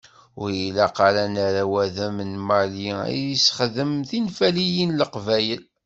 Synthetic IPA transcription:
ʊɾjilæqɑɾænaɾæwæðæmənmaliḭisχəðəmθinfælijinləqvæjəl

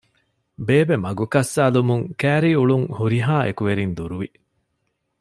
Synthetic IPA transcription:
beːbemɐɡukɐsːaːlumuŋkæːɾiːuɭuŋhuɾiɦaːʔḛkuʋeɾind̪uɾuʋi

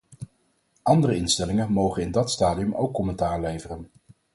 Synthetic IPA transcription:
ʔɑndərəɪnstɛlɪŋənmowχənɪndɑtstaːdiɵmo̰wkːɔmɛntaːɹlejvərən

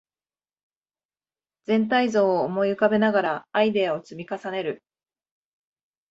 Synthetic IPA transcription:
d͡zẽ̞nt̪̬aizo̞ːoːmo̞iɯ̟kabe̞naɡaɾaːid̪e̞aot͡sɨmʲikasane̞ɾɯ̟

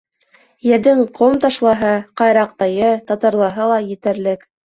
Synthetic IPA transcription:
jɘ̆ɾðɘŋqʰomt̪ɑʃlˠɑɦɤqɑjɾɑq̚t̪ɑjɤt̪ɑt̪ɑɾlˠɑɦɤlˠɑjɘ̆t̪ɘ̆ɾlɘk

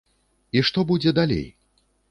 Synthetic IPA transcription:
iʂt̪ɔbud͡zʲɛd̪alʲḛj

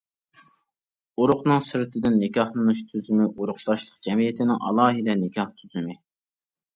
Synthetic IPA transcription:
uɾʊqnɨŋsɨɾt̪ʰɪd̪ɪnːɪkʲɑhlˠɨnuʃt̪ʰyzymɪʔoɾʊqt̪ɑʃlˠəqd͡ʒɛmijɪt̪ʰɪnɪŋɑ̰lˠɑːɦɨd̪ɛnɪkʰʲɑht̪ʰyzymɪ

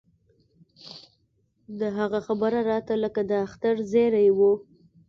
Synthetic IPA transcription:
d̪əɦaɣaxabəɾaɾɑt̪aləkad̪əaxt̪aɾzeɾajwu

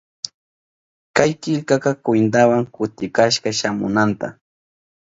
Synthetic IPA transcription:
kajkɪʎkakakwɪnt̪̬awaŋkʊt̪ɪkaʃkaʃamʊ̰nant̪a̰

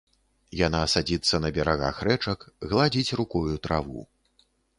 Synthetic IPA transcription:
janasad͡zʲit̪sːɐnɐbʲɛɾaɣa̰xrɛt͡ʂɐkɣlˠad͡zʲit͡sʲrukɔjut̪ɾavṵ

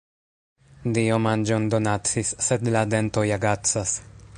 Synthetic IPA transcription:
diomand͡ʒo̞nd̪o̞nat͡sisːe̞d̪lade̞nto̞jaɡat͡sas

